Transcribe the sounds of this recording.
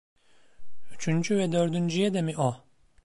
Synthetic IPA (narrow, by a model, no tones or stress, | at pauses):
yt͡ʃʰynd͡ʒyvɛd̪ø̞ɾd̪ynd͡ʒyjɛd̪ɛmiʔo